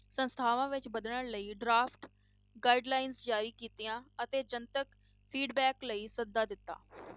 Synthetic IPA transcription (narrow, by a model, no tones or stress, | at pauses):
sə̃nst̪ʰaːʋãːʋɪt͡ʃbəd̪ələləiːɖɾaːpʰʈ | ɡaːiːɖlaːɪnsd͡ʒaːɾiːkiːt̪ijãːət̪eːd͡ʒənt̪ək | pʰiːɖbɛːkləiːsəd̪ːaːd̪ɪt̪ːa̰ː